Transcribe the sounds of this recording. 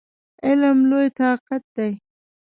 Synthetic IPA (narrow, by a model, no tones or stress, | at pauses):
ɪlmlojt̪ɑːqat̪̚d̪aj